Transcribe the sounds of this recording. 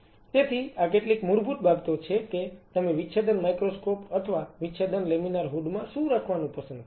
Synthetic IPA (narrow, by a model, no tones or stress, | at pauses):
t̪et̪ʰiakeʈlikmuɾbʱut̪̚bʱabt̪ot͡ʃʰeket̪əmeʋiʃʰad̪ənmajkɾoskopət̪ʰəʋaʋitːʃʰad̪ənleminaɾɦuɖmãʃũɾakʰʋanũpəsə̃nd̪